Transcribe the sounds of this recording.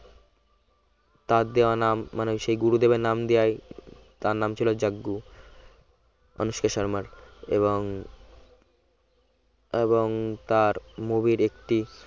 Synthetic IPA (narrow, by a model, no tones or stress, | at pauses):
t̪aɾd̪eoanamːaneʃejɡuɾud̪ebenamd̪ejaj | t̪aɾnamt͡ɕʰilod͡ʑaɡːu | ɔ̰nuʃkeʃaɾmaɾḛβoŋ | eboŋt̪aɾmobiɾekʈi